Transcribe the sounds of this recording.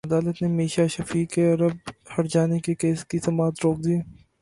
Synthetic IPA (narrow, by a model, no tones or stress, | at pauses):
ɐd̪aːlət̪nemiːʃaʃɐfiːkeɐɾəb̚hɐʈd͡ʒaːnekekeːskisɐmaːt̪ɾoːk̚d̪ieː